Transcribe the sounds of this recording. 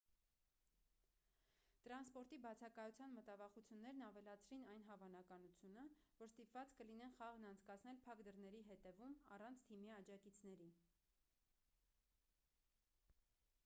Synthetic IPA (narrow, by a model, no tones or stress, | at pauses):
t̪əɾɑnspɔɾt̪ibɑt͡sʰɑkɑjut͡sʰjɑnmət̪ɑvɑχut͡sʰjunːɛɾnɑvɛlɑt͡sʰɾinɑjnɦɑvɑnɑkɑnut͡sʰjunəvɔɾst̪ipvɑt͡skəlinɛnχɑʁnɑnt͡sʰkɑt͡sʰnɛlpʰɑkd̪əɾnɛɾiɦɛt̪ɛvumɑrɑnt͡sʰt̪ʰimiɑd͡ʒɑkit͡sʰnɛɾi